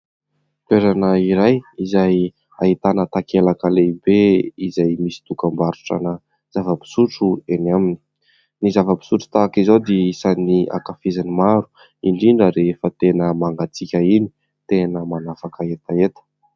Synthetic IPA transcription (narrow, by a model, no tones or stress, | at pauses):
t̪eɾanəiɾajizaj | a̰it̪anət̪akelakəlebeizajmisi̥t̪ukambaɾu̥ʈ͡ʂa̰nə | z̥avəpi̥suʈ͡ʂuenamini̥ | nizavəpi̥suʈ͡ʂu̥t̪aːkizawd̪eisaniʔa̰kafizanimaɾu̥ | iɳɖ͡ʐiɳɖ͡ʐəɾefət̪enəmaŋɡat͡sikʲəini | t̪enəmanafakəet̪aet̪ə̥